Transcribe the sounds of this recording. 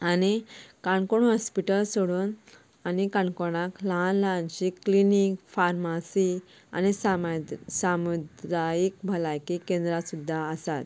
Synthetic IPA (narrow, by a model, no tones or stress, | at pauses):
anikaɳkoɳɦɔspiʈəlsoɽuːn | anikaɳkoɳ̃aklaɦãnlaant͡ɕiklinikfaɾmasi | a̰nisasamud̪ɾajik̚bʱəlajkikẽnd̪ɾasud̪ʱːaəsat̪̚